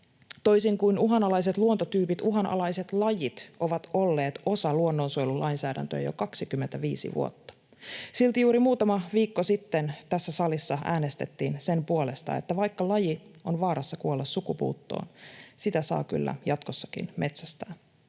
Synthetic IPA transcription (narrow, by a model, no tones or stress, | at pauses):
t̪o̞jsiŋkuinuɦɑnɑlɑjset̪luont̪ot̪yːpit̪uɦɑnɑ̰lɑjse̞t̪lɑjit̪ʔo̞ʋɑt̪o̞lːe̞ːt̪o̞sɑluonːo̞nsojlulʔɑjnsæːdæ̰nt̪øjæ̰jo̞̰kɑksikymːent̪æʋiːsḭʋṵot̪ːɑ̥ | silt̪ijuːɾimuːt̪ɑmɑʋiːkːosit̪ːent̪æsːæsɑlisːɑʔæːnest̪e̞t̪ːiːnse̞mpuo̞le̞st̪ɑ̰e̞̰t̪ːæʋɑjkːɑlɑjio̞nʋɑːɾɑsːɑkuolːɑssukupṵːt̪ːo̰ːnsit̪æsɑ̰ːky̰lːæ̰jɑt̪ko̞sːɑ̥kḭnmʔe̞t̪sæst̪æːn